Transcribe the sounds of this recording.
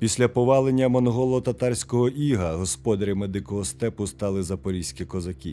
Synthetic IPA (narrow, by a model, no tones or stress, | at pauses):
pʲisʲlʲɐpɔʋɑlˠenʲːɐmɔnɦɔlˠɔɔt̪ɐt̪ɑrʲsʲkɔɦɔʔiɦɐɦɔspɔd̪ɐɾʲɐmed̪ɪkɔɦɔst̪ɛpʊst̪ɑlˠɪzɐpɔɾʲisʲkʲikɔzɐkʲḭ